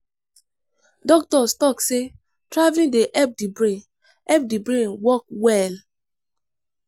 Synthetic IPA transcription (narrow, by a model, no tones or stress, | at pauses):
dɔk̚tɔstɔkse | tɹavĩndeʔɛp̚dibɾe | ɛp̚dibɹẽnwɔk̚wɛl